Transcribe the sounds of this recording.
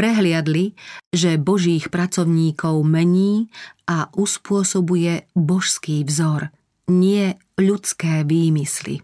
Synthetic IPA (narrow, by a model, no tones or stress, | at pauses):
pɾɛɦlɪad̪liʒɛbɔʒiːxpɾat͡sɔʊɲiːkɔʊmɛɲiːʔaʔuspʊɔsɔbujɛbɔʃskiːvzɔɾ | ɲɪɛ | ʎut͡skɛːʋiːmislḭ